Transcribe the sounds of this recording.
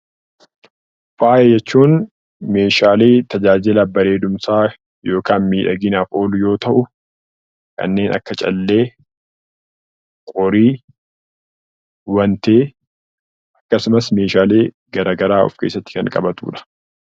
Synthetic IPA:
faːʔɛd͡ʒɛt͡ʃːuːn | me̞ːʃaːleːt̪ɐd͡ʒaːd͡ʒɪlɐbːɐɾe̞ːd̪ʊmsaː | jo̞ːkaːnmiːᶑɐɡɪnaːfo̞ːlʊjo̞ːt̪ɐʔʊ | kʰɐ̰nːe̞ːnʔɐ̰kːɐt͡ʃʼɐ̰lːe̞ː | kʼɔɾiː | wɐnt̪eː | ʔɐkːɐsʊmɐsme̞ːʃaːle̞ː | ɡɐɾaːɡɐɾaːɔ̰fke̞̰ːsːɐt̪ːɪ̥kɐŋkʼɐ̰bɐt̪ṵːᶑɐ̥

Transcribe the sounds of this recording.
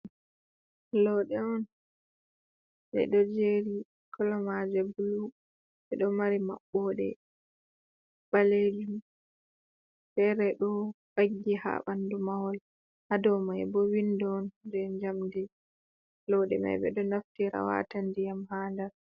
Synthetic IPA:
lɔɗɛɔn | ɓɛ̰ɗɔd͡ʒeɾi | kʰɔlɔmad͡ʒabulu | ɓɛɗɔmaɾima̰ɓːɔɗɛ̰ | b̥aled͡ʒum | fɛɾɛɗɔbaɡːiha̰ɓandumawɔl | hadɔmaɛbɔwindɔndɛɲd͡ʒamdi | lɔɗɛ̰ma̰bɛ̰ɗɔnaftiɾa̰wa̰tandijamhaːndaɾ

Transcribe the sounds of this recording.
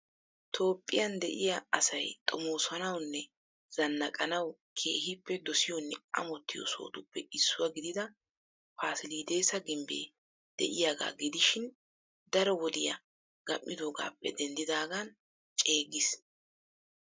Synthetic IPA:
t̪ʰo̞ːpʼːɪjɐnd̪ɛʔɪjaɐsɐjt̪ʼɔmoːsɐnɐwnːɛ | z̥ɐnːɐkʼɐnɐwkʰe̞̰ːhɪpːɛd̪ɔsɪjɔnːɛɐ̰mɔt̪ːɪjɔ̰so̰ːd̪ʊpːɛʔɪsːʊwɐɡɪd̪ɪd̪ɐ | faːsɪliːd̪e̞ːsɐɡɪmbḛː | d̪̥ɛ̰ʔɪjaːɡa̰ːɡɪd̪ɪʃɪn | d̪ɐɾɔwɔd̪ɪjɐ̰ | ɡ̥ɐmːɪd̪oːɡa̰ːpːɛ̰d̪ɛnd̪ɪd̪aːɡan | t͡ʃʼe̞ːɡɪs

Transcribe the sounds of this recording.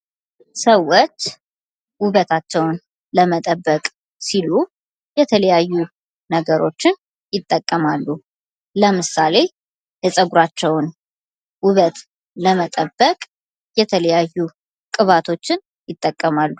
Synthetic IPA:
səwːot͡ʃː | wʊβət̪ʰat͡ʃːɛwn | ləmət̪ʼəbːəkʼ | silu | jɛt̪ʰələjajːu | nəɡəɾo̞t͡ʃːɪn | jɪt̪ʼːəkʼːəmalːu | ləmɨsale̞ | jɛsʼəɡuɾat͡ʃːɛwn | wʊβət̪ | ləmət̪ʼəbːəkʼ | jɛt̪ʰələjajːu | kʼɨβat̪ʰo̞t͡ʃːɪn | jɪt̪ʼːəkʼːəmalːu

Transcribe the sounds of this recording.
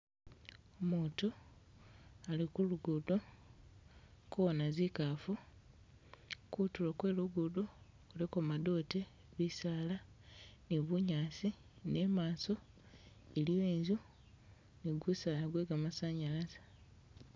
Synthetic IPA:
omuːto | alikuluɡudo | kuβonazikafu | kutulokwe̞ːluɡudo | kulekomado̞ːte | βisaːla | niβuɲaːsi | ne̞maːso | elijoenzu | niɡwusaːlaɡweːɡamasaɲalazḁ

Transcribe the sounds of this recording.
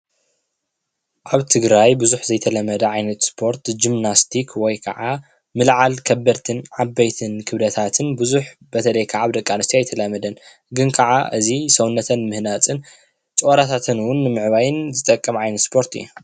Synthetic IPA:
ʔaβt̪ʰɨɡɾajbɨzuħzɐjt̪ʰɐlɐmːɐd̪ɐʕajnɐt̪spʰo̞ɾt̪d͡ʒimnast̪ʰikʰwɔjkʰɐ̰ʕa | mɨlʕalkʰɐbɐɾt̪ʰɨnʕabːɐjt̪ʰɨnkʰɨβlɐt̪ʰat̪ʰɨnbɨzuħbɐt̪ʰɐlɐjkʰaʕaβd̪ɐkʼːanɨst̪iajt̪ʰɐlɐmɐd̪ɐn | ɡɨnkʰɐʕaʔɨzisɐwnːɐt̪ʰɐnmɨhnat̪ʼɨn | t͡ʃʼoɾat̪ʰat̪ʰɨnwʊnːɨmɨʕβajɪnzɨt̪ʼɐkʼːɐmʕajnɐt̪spʰo̞ɾt̪ɨ̰jːu

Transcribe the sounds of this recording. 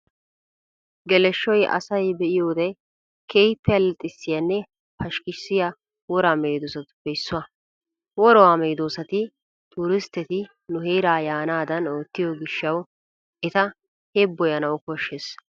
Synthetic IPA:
ɡɛlɛʃːɔjʔɐ̰sɐjbɛʔɪjoːd̪ɛ | kʰejpːɛɐlɛt̪ʼːɪsːɪjɐnːɛ | pɐʃkɪʃsɪja | wɔɾaːmejd̪oːsɐt̪ʊ̥b̥ɛɪsːʊɐ | wɔɾɔwaːmeːjd̪oːsɐt̪ɪ | t̪ʼuːɾɪst̪ːɛt̪ɪ | nʊɦejɾaːjaːnaːd̪ɐno̞ːt̪ːɪjɔɡɪʃːɐw | ʔɛt̪ɐ | hebːɔjɐnɐwʊkɔʃːes

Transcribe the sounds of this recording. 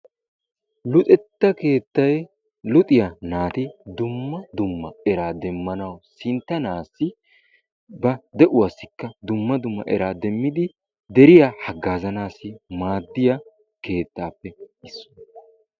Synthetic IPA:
lʊt̪ʼɛt̪ːɐke̞ːt̪ːɐj | lʊt̪ʼɪjɐnaːt̪ɪd̪ʊmːɐd̪ʊmːɐɛɾaːd̪ɛmːɐnɐwsɪnt̪ːɐnaːsːɪ | bɐd̪ɛʔʊwɐsːɪkːɐd̪ʊmːɐd̪ʊmːɐ̰ʔɛɾaːd̪ɛmːɪd̪ɪ | d̪ɛɾɪjahɐɡːaːzɐnaːsːɪmaːd̪ːɪjɐ | ke̞ːt̪ːaːpːɛɪsːɔ̥n

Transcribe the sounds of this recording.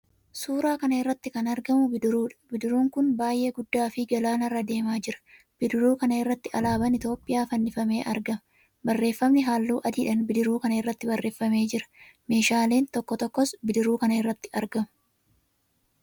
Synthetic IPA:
suːɾaːkɐnɐɪrːɐt̪ːɪkɐnɐɾɡɐmʊbɪd̪ɪɾuːᶑɐ̥bɪd̪ɪɾuːŋkʊnbaːjʔe̞ːɡʊd̪ːaːfɪɡɐlaːnɐrːɐd̪e̞ːmaːd͡ʒɪɾɐ̥ | b̥ɪd̪ɪɾuːkɐnɐɪrːɐt̪ːɪɐlaːbɐnɪt̪jo̞ːpʼːɪjaːfɐnːɪfɐme̞ːʔɐ̰ɾɡɐmɐ | bɐrːe̞ːfːɐmnɪɦaːlːuːʔɐd̪iːᶑɐnbɪd̪ɪɾuːkɐnɐɪrːɐt̪ːɪbɐrːʔe̞ːfːɐme̞ːd͡ʒɪɾɐ̥me̞ːʃaːle̞ːnt̪ɔkːɔt̪ɔkːɔsbɪd̪ɪɾuːkɐnɐɪrːɐt̪ːɪ̥ɐɾɡɐmʊ̥

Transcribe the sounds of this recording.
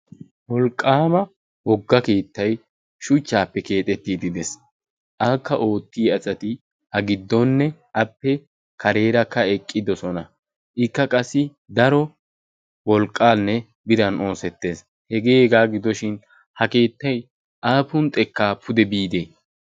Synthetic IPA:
wɔlkʼːaːmɐ | wɔɡːɐke̞ːt̪ːɐj | ʃʊt͡ʃːaːpːɛke̞ːt̪ʼɛt̪ːiːd̪ɪd̪ɛs | ʔaːkːɐʔo̞ːt̪ːiːɐsʼɐt̪ɪ | hɐɡɪd̪ːɔnːɛʔɐpːɛ | kʰɐɾe̞ːɾɐkːɐɛkʼːɪd̪ɔsɔnɐ | ʔɪkːɐkʼɐsːɪ | d̪ɐɾɔ | wɔlkʼːaːnːɛ | bɪɾɐno̞ːsɛt̪ːe̞ːs | hɛɡeːɛɡaːɡɪd̪ɔʃɪn | hɐke̞ːt̪ːɐj | ʔaːpʊnt̪ʼɛkːaːpʰʊd̪ɛbiːd̪eː

